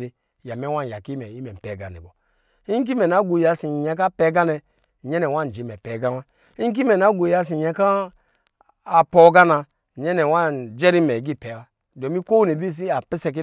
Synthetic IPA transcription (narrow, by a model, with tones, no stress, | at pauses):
ɾi˦˨ | ja˨me˦wa˦n˨ja˨ki˦mɛ˨i˦mɛ˨m̩˨pɛ˨˦ɡa̰˨nḭ˨bɔ˨ | i˦ŋ˦k̬i˦mɛ˨na˨˦ɡʷu˨ja˨si˨ja˨˦k̬a˦pɛ˨˦ɡa˦nɛ˨ | ɲɛ˦nɛ˨wa˦˨n˨d͡ʒi˨˦mɛ˨pɛ˨˦ɡa˦wa˦ | i˦ŋ˦k̬i˦mɛ˨na˨˦ɡo˨ja˨s̬i˨a˨˦ka˦˨ | po˨˦ɡa˦na˨ | ɲɛ˦nɛ˨wa˦n˨d͡ʒɛ˦ɾi˦mɛ˨ɡi˦˨pɛ˨˦wa˦ | do˨mi˦ko˦wne˨bi˦s̬i˦a˨pi˦sɛ˦k̬i˦